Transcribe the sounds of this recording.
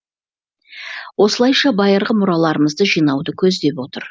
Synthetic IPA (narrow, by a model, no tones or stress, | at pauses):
wo̞səlˠɑjʃɑbɑjəɾʁəmʊɾɑlˠɑɾəməzd̪əʒijnɑwd̪əkʲʰɵzd̪e̞pwo̞t̪əɾ